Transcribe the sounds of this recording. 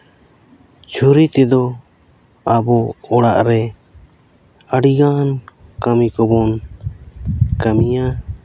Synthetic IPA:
t͡ʃʰuɾit̪ɛd̪ɔ | abɔɔɽaʔɾɛ | əɽiɡankamikɔbɔn | kamija

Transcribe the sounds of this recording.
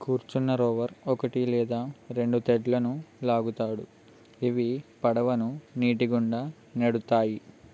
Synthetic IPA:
kuːɾt͡ʃunːɐɾɔːʋɐɾɔkɐʈilɛːd̪aːɾe̞ɳɖut̪eɖlɐnulaːɡut̪aːɽu | iʋipɐɽɐʋɐnuniːʈiɡuɳɖaː | neɽut̪aːji

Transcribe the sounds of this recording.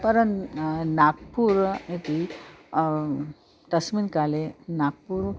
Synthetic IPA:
pəɾənnak̚puɾet̪i | t̪əsminkalenaɡ̚puɾ

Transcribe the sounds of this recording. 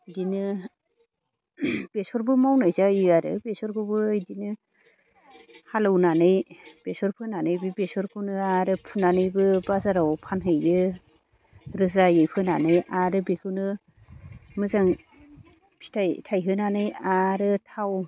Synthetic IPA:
jdinɯ | b̥esɔɾbɯmawnɯjzaiaɾɯ̰besɔɾkʰobɯːjdinɯ | halɯwnanɯjb̥esɔɾpʰɯnanɯjbibesɔɾkʰɯwnɯaɾɯpʰunanɯjbɯbazaɾawpʰanɦɯjɾɯ | ɾɯzajɯjpʰɯnanɯjaɾɯbekʰɯwnɯ | mɯzaŋ | pʰi̥tʰajtʰajɦɯnanɯjaɾɯtʰaw

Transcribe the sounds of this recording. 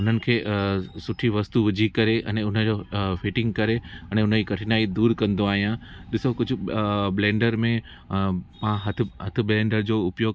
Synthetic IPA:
ʊn̤ənɪ̆kʰeːsʊʈʰiʋɐst̪uʋɪd͡ʑʱikɐɾeʔɛ̰̃ːʊnəd͡ʑoːfɪʈɪ̃ŋɡkɐɾeɛ̃ːɛ̃ʊn̤əd͡ʑiːkɐʈʰɪnaːid̪uːɾkɐ̃nd̪oaːɦijãɗɪsokʊd͡ʑʱʊ̆blẽːɳɖəɾmẽ | pãɦɐt̪ʰɦɐt̪ʰɪ̆blẽːɳɖəɾd͡ʑoːʊpjoːɡ

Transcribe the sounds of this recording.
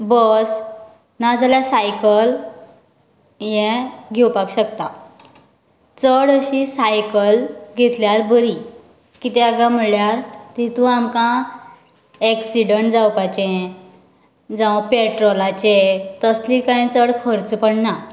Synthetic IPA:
bəs | nad͡zaljasajkəl | jɛ̃ɡʱɛwpakɕəkt̪a | t͡səɽəɕisajkəlɡʱet̪ljaɾbəɾi | kit̪ɛaɡãm̤əɭjaɾt̪it̪ũamkã | ɛksiɽəɳʈd͡zawkat͡ɕẽ | d͡zãwpeʈɾɔlat͡ɕẽt̪əslikaĩt͡səɽkʰəɾt͡spəɽna

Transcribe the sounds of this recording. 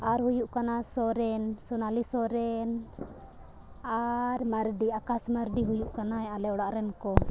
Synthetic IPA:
aɾhujuʔkanasɔɾɛnsɔnalisɔɾɛn | aɾmaɾɖiakasmaɾɖiɦujuʔkanaɛalɛɔɽaʔɾɛnkɔ

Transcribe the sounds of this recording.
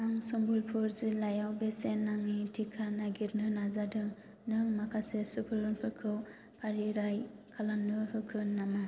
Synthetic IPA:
aŋsɔmbulpʰuɾzɯlajawbesenːaŋitʰikʰanaɡiɾnɯnazadɯ | nɯmakʰasesupʰɯlɯnpʰɯkʰɯw | pʰaɾiɾaj | kʰalanːɯhɯkʰɯnːama

